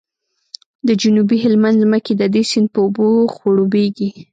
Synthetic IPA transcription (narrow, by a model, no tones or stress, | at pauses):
d̪əd͡ʒunubiɦɪlmand̪zməked̪əd̪esɪnd̪̚pəuboxwoɽobeɡi